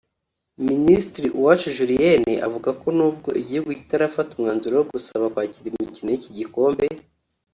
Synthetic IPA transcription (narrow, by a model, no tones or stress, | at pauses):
ministɾiʔuwat͡ʃuʒuɾijeneʔa̰vuɡako̞nuːb̚ɡo̞̰ʔiɟihuɡuci̥taɾafatumŋaːnzuɾojoɡusaβakwaːciɾimicinojiciɟiko̞ːmbe̞